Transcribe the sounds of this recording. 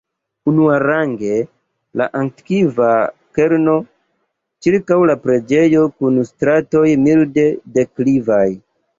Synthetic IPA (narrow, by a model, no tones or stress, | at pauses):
unuaɾaŋɡe̞ | la̰ʔaŋtkivake̞ɾno̞ | t͡ʃiɾkawlapɾe̞d͡ʒe̞jo̞kunstɾato̞jmilde̞de̞klivaj